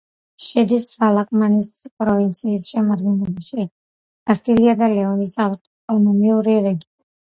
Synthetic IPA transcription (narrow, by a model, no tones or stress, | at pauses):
ʃɛd̪isːalakʼmanispʼɾɔvint̪sʰiːsʃɛmad̪ɡɛnlɛbaʃi | ɡast̪ʼiliad̪alɛɔnisatʼɔnɔmiuɾiɾɛɡiɔni